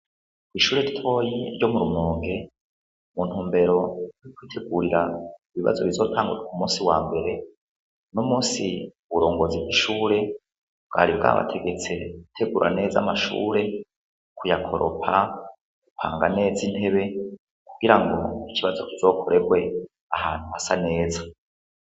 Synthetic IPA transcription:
kwiʃuːɾe̞ɾitʰo̞jiɾjo̞muɾumoːŋɡe̞ | muːn̥huːmbe̞ɾo̞iikwiːtʰe̞ɡuɾiɾaiβiβa̰zo̞βizo̞ːtʰaːŋɡuɾekumuːnsiwaːmbe̞ɾe̞ | nomuːsi | βuɾo̞ːŋɡo̞zibɡiʃuːɾe̞ | b̚ɡ̥a̰ːɾibɡa̰βa̰tʰe̞ɡe̞t͡se̞utʰe̞ɡuɾʔa̰ne̞ːza̰maʃṵːɾe̞ | kujakʰo̞ɾʔo̰pʰa | kupʰaːŋɡane̞ːzin̥he̞βe̞ | kuɡ̥iɾaŋɡo̞iciβazo̞kizo̞ːkʰo̞ɾe̞ɡwe̞ | aha̰ːn̥huhasane̞ːza

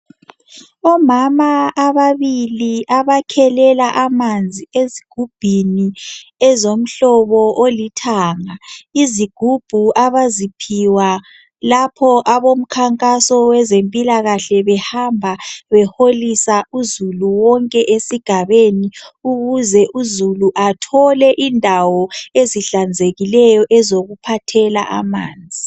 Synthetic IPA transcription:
ɔmamaːβaβiliʔaβakʰɛlɛlaʔamand͡zʱieziɡ̥ʱub̥ʱiniɛzom̩ɬɔβɔʔolitʰaːŋaiziɡ̥ʱub̥ʱuaβazipʰiwa | lapʰɔʔaβom̩kʰaŋkʼasɔwɛzempʼilaɣaɬɛβɛhambʱaβɛholisauzuluwɔŋkʼɛʔesiɡ̥ʱaβeniuɣuzɛʔuzuluʔatʰɔlɛʔindʱawɔeziɬand͡zʱeɣilɛjɔʔɛzoɣupʰatʰɛla̰ʔa̰maːnd͡zʱi

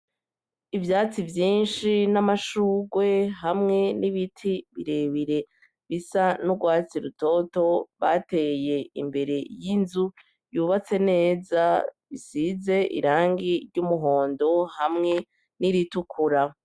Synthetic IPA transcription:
ivjaːt͡sivjiːnʃinamaʃuːɡwe̞ɦamŋe̞niβitʰiβiɾe̞βiɾe̞ | βisanuɡwaːt͡siɾuto̞to̞βate̞je̞ḭmbe̞ɾe̞jinzu | juβat͡se̞ne̞ːzaβisize̞ʔḭɾaːŋɡiɾɟumuɦo̞ːndo̞hamŋe̞ | niɾitukʰuɾa

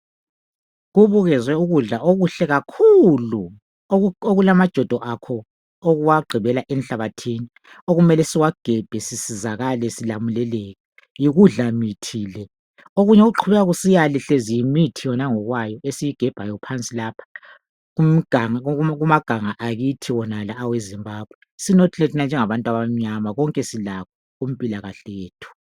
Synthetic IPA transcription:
ɣuβuɣɛzwɛuɣuɮaʔoɣuɬɛɣakʰulu | oɣulamad̥ʒ̥ʱɔd̥ʱɔʔakʰɔ | oɣuwaɡ͡ǃʱiβɛlaʔɛnɬaβatʰiːni | oɣumɛlɛsiwaɡ̥ʱɛb̥ʱɛsisizaɣalɛsilamulɛleːɣɛ | jiɣuɮamitʰiːlɛ | oɣuɲɛoɣuǃʰuβɛɣaɣusijalɛɬezijimitʰijɔnaŋɔɣwajɔesijiɡ̥ʱɛb̥ʱajɔpʰant͡sʼilaːpʰḁ | um̩ɡ̥ʱaŋɣumaɡ̥ʱaŋaʔaɣitʰiwɔnalaːwezimbaːb̥̚ʱwɛ | sinotʰletʰinand͡ʒʱɛŋaβantʼwaβam̩ɲamaɣɔŋkʼɛsilakʰɔ | um̩pʼilaɣaɬɛjeːtʰu̥

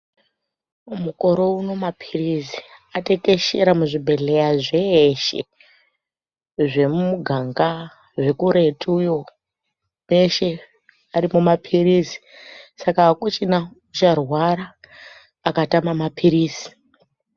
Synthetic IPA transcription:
muko̞ɾo̞uno̞mapʰiriziate̞ke̞ʃeɾamuʐibʱe̞ɮe̞jaʐe̞ːʃe̞̰ | ʐe̞mumuɡʱaŋɡa | ʐe̞kuɾe̞tʰujo̞ | me̞ʃe̞ | aɾimumapʰiriːzi̥sakakut͡ʃina | ut͡ʃarwaɾaː | katamamapʰiɾiːzi̥

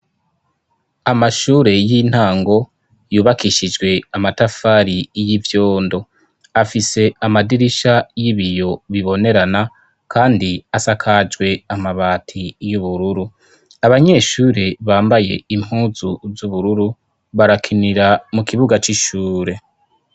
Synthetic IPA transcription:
amaʃuːɾe̞jin̥haːŋɡo̞ | juːβakiʃid͡ʒɡwe̞amatafaːɾijivjo̞ːndo̞ | afise̞amadiɾiʃajiβijo̞βiβo̞ne̞ɾana | kʰaːndiasakʰad͡ʒɡwe̞amaβaːtʰijuβuɾuɾu | aβaɲe̞ːʃuːɾeβaːmbaje̞̰im̥huːzuzuβuɾuɾu | βaɾakʰiniɾamukʰiβuɡat͡ʃiʃuːɾe̞

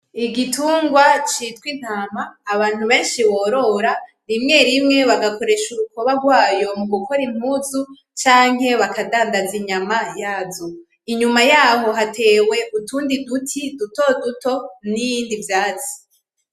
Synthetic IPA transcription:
iɡituːŋɡwat͡ʃitwin̥haːmaːβaːn̥huβe̞ːnʃiβo̞ːɾo̞ɾa | ɾimŋe̞ɾimŋe̞βaɡako̞ɾe̞ʃuɾukoβaɡwaːjo̞muɡuko̞ɾim̥huzu | t͡ʃaːŋ̥ɦe̞βakʰadaːndaziɲamajaːzo | iɲumajaːɦo̞ɦate̞ːwe̞ʔutuːndidutʰiduto̞duto̞nijiːndivjaːzi̥

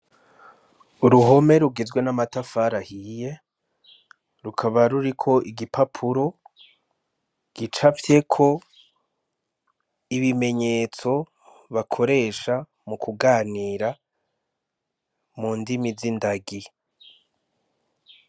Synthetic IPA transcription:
uɾuɦo̞me̞ɾuɡezɡwe̞namatafaɾahije̞ | ɾukʰaβaɾuɾikʰo̞ʔiɡipʰapʰuɾo̞ | ɡ̥it͡ʃavje̞kʰo̞ | iβime̞ɲe̞ːt͡so̞ | βakʰo̞ɾe̞ːʃa | mukʰuɡaːniːɾa | muːndimizindaɡi

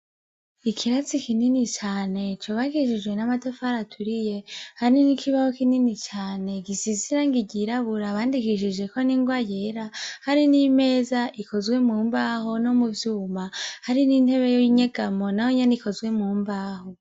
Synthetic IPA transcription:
ikʰiɾat͡sikininit͡ʃaːne̞t͡ʃuβaɡiʃid͡ʒwe̞namatofaɾatʰuɾije̞haɾinikʰiβahokininit͡ʃaːne̞ɡisiziɾaŋɡiɟiɾaβuɾaβaːndikiʃid͡ʒe̞koniːŋɡwajeɾahaɾinime̞ːzaʔikozwe̞muːmbaːɦo̞no̞muvjuːmahaɾinin̥he̞βejojiɲeɡamo̞nahoɲeniko̞zwe̞muːmbaːho

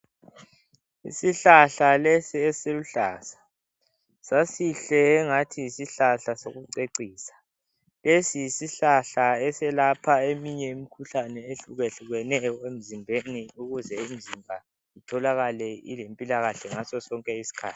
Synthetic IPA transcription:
ḭsiɬaɬalesiɛseluɬaːsḁ | sasiɬɛːŋatʰiisiɬaɬasoɣuǀeǀiːsḁ | lesijisiɬaɬaɛsɛlapʰaemiɲɛimikʰuɬanɛeɬuɣeɬuɣɛnɛem̩zimbʱeniuɣuzɛim̩zimbʱa | itʰɔlaɣalɛḭlempʼilaɣaɬɛŋasɔsɔŋkʼɛisi̥kʰa̰ːtʰi̥

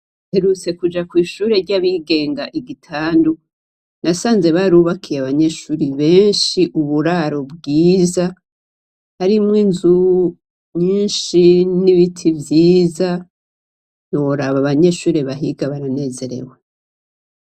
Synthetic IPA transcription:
heɾut͡se̞kud͡ʒakwiːʃuːɾe̞ɾɟaβiɡe̞ːŋɡaʔiɡitʰaːndu | nasaːnze̞βaɾuːβakʰijaβaɲe̞ʃuːɾiβe̞ːnʃiʔuβuɾaɾo̞bɡiːza | haɾimŋiːnzu | ɲiːnʃiniβitʰivjiːza | jo̞ɾaβaβaɲe̞ʃuːɾeβaɦiɡaβaɾane̞ːze̞ɾe̞̰we

